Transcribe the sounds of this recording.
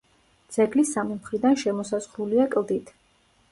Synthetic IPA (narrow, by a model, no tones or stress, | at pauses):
d̪z̥ɛɡlisamimχɾid̪anʃɛmɔsazʁɾuliakʼlˠd̪it̪ʰ